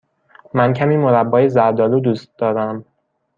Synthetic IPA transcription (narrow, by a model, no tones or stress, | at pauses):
mæncʰæmiːmoɾæbːɒːjezæɾd̪ɒːluːd̪uːst̪̚d̪ɒːɾæm